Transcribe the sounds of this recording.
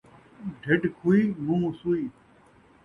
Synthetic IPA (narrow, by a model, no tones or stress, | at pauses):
ɖʱeɖkʰuːiːmũːsuːiː